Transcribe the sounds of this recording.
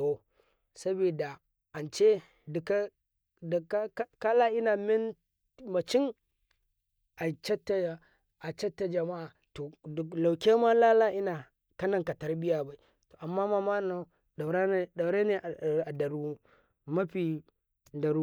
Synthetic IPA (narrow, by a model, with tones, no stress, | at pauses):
o˨ | sa˦bi˨da˨ | ʔa˨nt͡ʃe˦ | dka˦ | dka˦ka˦la˦ʔi˦na˨mɪ˦n | mɐ˨t͡ʃi˦ŋ | ʔa˨t͡ʃa˦tːa˨ | a˨t͡ʃa˦tːa˨d͡ʒɐ˨ma˦ʔa˨ | to˨la˨wkʲe˦ma˦la˦la˦ʔi˦na˨ | ka˦na˨ŋka˨ta˦ɾbi˦ja˨ba˨i˨ | to˨ʔa˨mːa˦ma˦ma˦na˨˦ | ɗa˨ɾa˦ɗa˨˦ɾe˦ne˨ʔa˨da˨ɾu˦ | ma˦ɸi˨ | da˨ɾu˦